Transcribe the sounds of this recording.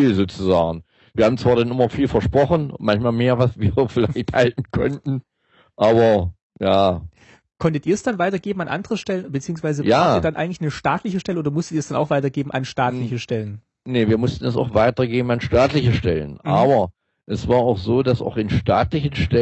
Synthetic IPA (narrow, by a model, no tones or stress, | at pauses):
iːlzoːt͡suzaːɡŋ̩ | v̥iːɐhaːm̩t͡sv̥aːɐdanɪmɐfiːlfɛɐʃpʁ̥ɔχn̩mançmaːlmeːɐvasv̥iːɐfɪlaɪçthaltn̩kʰɔ̰ntn̩ | ʔaːbɐ | jaː | kʰɔntətiːɐsd̥anvaɪtɐɡeːbm̩anʔa̰ndəʁəʃtɛlənbət͡siːʊŋsv̥aɪzəjaːtiɐdanʔa̰ɪɡŋ̩tlɪçnəʃtaːtlɪçəʃtɛləʔoːdɐmʊstə̥tiːɐsd̥ana̰ʊxv̥aɪtɐɡeːbm̩ʔa̰nʃtaːtlɪçəʃtɛlən | nəviːɐmʊstn̩ɛs̬a̰ʊxv̥aɪtɐɡeːbm̩anʃtaːtlɪçəʃtɛlə̰nʔʔaːbɐ | ʔɛsv̥aːɐaʊxz̥oːdasa̰ʊxɪnʃtaːtlɪçənʃtɛ